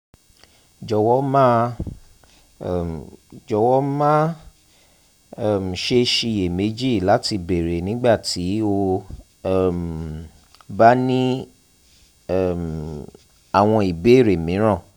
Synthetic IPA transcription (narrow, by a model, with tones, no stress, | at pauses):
d͡ʒɔ˨wɔ˨˦mã˦˨ | d͡ʒɔ˨wɔ˦mã˦˨ | m̩˨ʃe˧ʃi˧˨je˨me˨˦d͡ʒi˦˨la˨˦ti˧be˨ɾe˨nĩ˨˦ɡ͡ba˦˨ti˨˦o˧˦˨ | m˨ | ba˦nĩ˦˨ | m | a˨w̃ɔ̃˧i˨be˨˦˨ɾe˨mĩ˨˦ɾ̃ã˦˨